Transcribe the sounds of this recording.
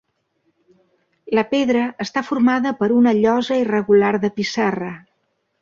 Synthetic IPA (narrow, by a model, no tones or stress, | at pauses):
ləpeðɾəʔːst̪afurmaðəpəɾunəʎɔzəirəɣularðəpisarə